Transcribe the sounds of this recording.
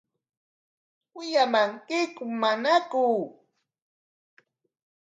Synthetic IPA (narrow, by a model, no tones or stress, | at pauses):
ʊʎamaŋkɪkʊmanakuː